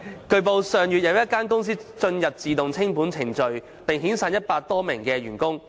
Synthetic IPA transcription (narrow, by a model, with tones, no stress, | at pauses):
kɵ˧ɥp̬o˨wsœː˨˩ŋjyː˨t̚jɐ˨˧wjɐ˥t̚kaː˥nkʊ˥ŋs̬iː˥t͡ʃɵ˧njɐ˨p̚t͡siː˨t̪ʊ˨ŋt͡sʰɪ˥ŋpuː˨˥nt͡sʰɪ˨˩ŋt͡ʃɵ˨ɥ | pɪ˨ŋɦiː˨˥nsaː˨˧njɐ˥t̚paː˧k̚t̪ɔː˥mɪ˨˩ŋkɛː˧ɥyː˨˩nkʊ˥ŋ